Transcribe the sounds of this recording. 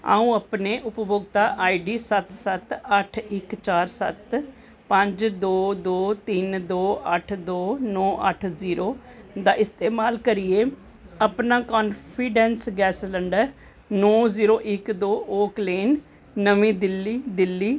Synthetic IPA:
a̰ːũːəpneːʔʊpbʊɡt̪aːʔaːiɖiːsət̪sət̪əʈʰɪkt͡ʃaːɾsə̰t̪ | pə̃ɲd͡ʒd̪oːd̪oːt̪ɪnd̪oːəʈʰd̪oːnɔ̃ːʔə̰ʈʰziːɾoːd̪aːʔɪst̪eːmaːlkəɾieː | əpnaːkɔːnpʰiːɖɛːnsɡɛːsləɳɖəɾ | nɔːziːɾoːʔɪkd̪oːʔoːkleːnː | əʋĩːd̪ɪlːiːd̪ɪlːiː

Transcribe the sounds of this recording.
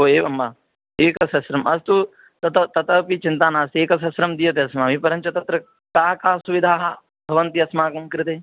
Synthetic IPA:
ɦoːeːʋɐmbaː | eːkɐsɐsɾɐmɐst̪u | t̪ɐt̪ɐt̪ɐt̪ɐpit͡ʃint̪aːnaːst̪eːkɐs̬ɐsɾɐmd̪ijɐt̪eɐsmaːmipɐɾɐɲt͡ʃɐt̪ɐt̪ɾɐ | kaːɐkaːsuʋid̪ʱaːɦɐ | bʱɐʋɐnt̪iɐsmaːkɐmkɾɪt̪eː

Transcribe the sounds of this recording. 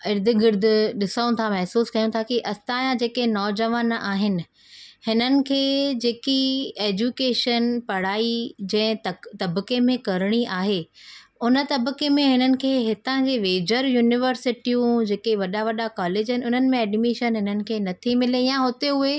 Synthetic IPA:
ɪɾd̪ʱɪ̆ɡɪɾd̪ʱɪ̆ɗɪsəũt̪ʰamɛɦsuːskɐjũt̪ʰakiʔɐst̪aːjãd͡ʑeːkenɔːd͡ʑɐʋaːnaːɦɪnɪ̆ | hɪnənɪ̆kʰeːd͡ʑeːkieːd͡ʑukeːʃənpɐɽ̤aːid͡ʑɐ̃ɦɪ̃t̪ɐt̪ɐbkemẽkɐɾɪɽ̃iʔaːɦeʊnə̆t̪ɐbkemẽɦɪnənɪ̆kʰeːɦɪt̪ãkeʋeːd͡ʑəɾjuːnɪʋəɾsɪʈijũd͡ʑeːkeʋɐɗaʋɐɗakaːleːd͡ʑɦɪnɪ̆ʊn̤ənɪ̆mẽɛːɖmiʃənɦɪnənɪ̆kʰeːnɐt̪ʰimɪlejãɦot̪eʊe

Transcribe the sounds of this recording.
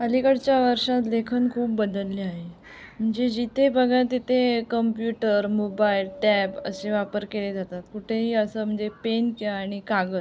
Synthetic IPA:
əlikəɽt͡ɕjaʋəɾʂat̪lekʰənkʰuːpbəd̪əlːeaɦe | m̤əɳd͡zed͡ʑit̪ʰebəɡʱat̪it̪ʰekəmpjuʈəɾmobailʈɛpə̰seʋapəɾkeled͡zat̪at̪kuʈʰeɦiːəsəːm̤əɳd͡zepenkjaːɽ̃ikaɡə

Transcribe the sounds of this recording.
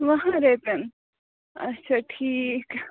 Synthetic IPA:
ʋɐɦãɾet̪en | ɐ̰tːʃʰaʈʰiːk

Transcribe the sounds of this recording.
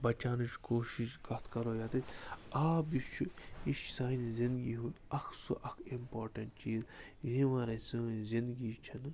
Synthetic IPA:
bɐt͡ʃaːnut͡ʃkoːʃiʃkɐt̪ʰkɐɾoːjat̪it̪ʲaːbit͡ʃʰuiʃsaːinzind̪ɡiɦũnɐkʰsuʔɐkʰimpoːɾʈɐnʈ̚t͡ʃiːzjĩʋɐɾɐsɨnzind̪ɡit͡ʃʰɐn

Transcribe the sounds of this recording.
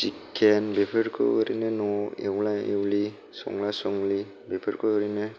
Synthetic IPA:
sikʰenbepʰeɾkʰɯ̰ɯɾinenɔewlaewli | sɔ̰ŋlasɔŋli | bepʰeɾkʰɯɯɾine

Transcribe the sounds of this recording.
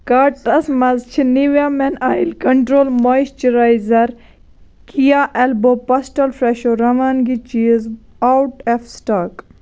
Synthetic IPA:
kaːʈɐsmɐzt͡ʃʰiniʋjaːmɛnaːjlkɐɳʈɾoːlmoist͡ʃiɾaːjzɐɾ | kʰijaːʔɛlboːpɐsʈɐlfɾeʃoːɾɐmaːnɡit͡ʃiz | awʈefsʈaːk

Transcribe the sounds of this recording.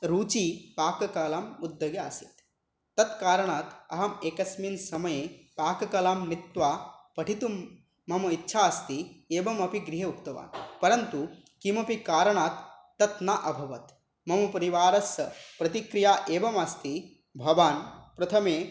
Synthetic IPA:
ɾuːt͡ʃiːpaːkɐkɐlaːmud̪ːɐɡaːsit̪ː | ɐt̪kaːɾɐɳaːt̪ɐ̰ɦɐmeːkɐsminsɐmɐjepaːkɐkɐlaːmnit̪ʋaːpɐʈʰit̪umː | ɐmɐitːʃʰaɐst̪ieːbɐmɐpiɡɾiɦeukt̪ɐʋa̰ːnpɐɾɐnt̪u | kimɐpikaːɾɐɳaːt̪ː | ɐt̪naʔɐbʱɐʋɐt̪ | mɐmɐpɐɾiʋaːɾɐsɐpɾɐt̪ikɾijaːʔeːʋɐmɐst̪i | bʱɐʋaːnpɾɐt̪ʰɐmeː

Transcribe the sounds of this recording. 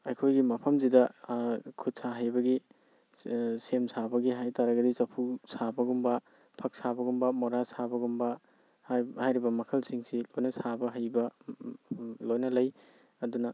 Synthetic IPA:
ɐjkʰojɡimɐpʰɐmzidɐ | kʰut̚saɦajbɐɡi | semsabɐɡiɦajtaɾɐɡɐdizɐpʰusabɐɡumbɐ | pʰɐk̚sabɐɡumbɐmɔɾasabɐɡumbɐ | hajɾibɐmɐkʰɐlsiŋsilojnɐsabɐɦajbɐ | lojnɐlɐj | ɐdunɐ

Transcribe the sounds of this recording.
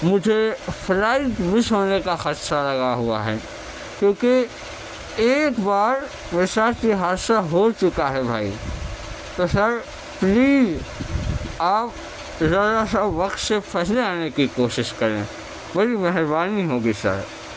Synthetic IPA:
mʊd͡ʒʱepʰɾaːɪt̪mɪsɦoːnekaxɐt̪ʃalɐɡaɦua̰ɦɛ̰ | kjõːke | eːkbaːɾ | ʋɪsaɾt͡ʃiɦaːdsaɦot͡ʃʊkaɦɛbʱa̰ːḭ | t̪osɐɾ | pliːz | aːp̚ | zɐɾasaʋɐqt̪sepʰɛːɦleaːnekikoːʃɪʃkɐɾḛ̃ː | bɐɽɾimɛɦɾbaːniɦoːɡisɐ̰ɾ

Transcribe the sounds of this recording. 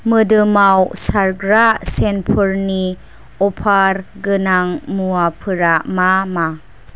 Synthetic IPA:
mədəmawsaɾɡɾaʔsɛnpʰəɾni | ɔpʰaɾɡənaŋmuapʰəɾaʔmama

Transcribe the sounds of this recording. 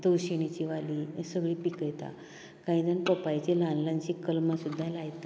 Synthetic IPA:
d̪əwɕiɽ̃it͡ɕiʋalisəɡɭiːpikəjt̪a̰ | kãĩd͡z̪ənpɔpajt͡ɕilãnlãɲt͡ɕikəlmasud̪ʱːalajt̪a

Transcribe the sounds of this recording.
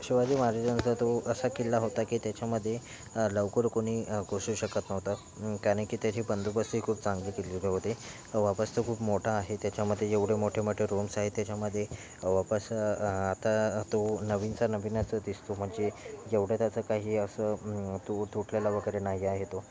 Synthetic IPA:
ɕiʋad͡ʑiːmaɾed͡ʑənt͡sət̪oəsakilːaɦot̪akiːt̪jat͡ɕaməd̪ʱːje | ləʋkəɾkoɽ̃iːɡosuːɕəkət̪nəʋt̪ə | kaɾɽĩkiːt̪jat͡ɕʰibənd̪ʱubəst̪uɦikʰuːpt͡saŋɡlikelileɦot̪e | ʋapəst̪əkʰuːpmoʈʰaːɦet̪jat͡ɕaməd̪ʱːjejeʋɽemoʈʰemoʈʰeɾomsaɦet̪jat͡ɕjaməd̪ʱːje | ʋapəsat̪at̪onəʋiːnt͡sanəʋinat͡səd̪ist̪om̤əɳd͡zejeʋɽ̤ət̪jat͡səkaɦiːəsət̪ot̪ʰoʈʰljalaʋəɡəɾenaɦiaɦet̪o

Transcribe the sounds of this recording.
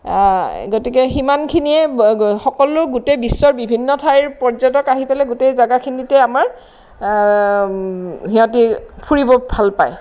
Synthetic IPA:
ɡotikɛximankʰiniɛxɔkɔlʊɡutejbisːɔɹbibʱinːɔtʰajɹpɔɹzɔtɔkaɦipɛlɛɡutejzaɡakʰinitɛamaɹ | ɦiɦɔ̃tipʰuɹibɔbʱalpaj

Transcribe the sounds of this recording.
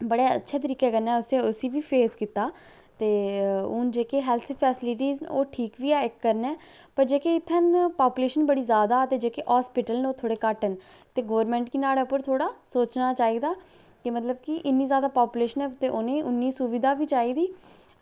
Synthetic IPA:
bəɽeːə̰tːʃʰeːt̪əɾiːkɛːkəɾnɛːʊsẽːʊsiːʋiːpʰeːskiːt̪aː | t̪eːʊnd͡ʒeːkeːɦɛːlt̪ʰpʰɛːsɪlɪʈiːzo̰ːʈʰiːkʋiːɛːɪkːəɾnɛː | pəɾd͡ʒeːkeːɪt̪ʰːənpaːpuːleːʃənbəɽiːzjaːd̪aːt̪eːd͡ʒeːkeːʔaːspɪʈəlnoːt̪ʰoːɽeːkaʈənt̪eːɡoːʋɾmɛ̃ːɳʈkɪnaːɽeːʊpːəɾt̪ʰoːɽaːsoːt͡ʃnaːt͡ʃaːiːd̪aː | kɪmət̪ləbkɪʔɪnːiːzjaːd̪aːpaːpuːleːʃənɛːt̪eːʔoːnẽːʔʊnːiːsʊʋɪd̪aːʋiːt͡ʃaːiːd̪iː

